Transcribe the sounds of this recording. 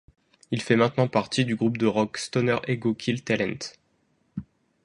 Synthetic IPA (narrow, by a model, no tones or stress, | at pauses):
ilfɛmɛ̃t̪nɑ̃paʁt̪id̪yɡʁup̚d̪əʁɔkst̪ɔnœʁeɡokʲʰilt̪alɛ̃nt̪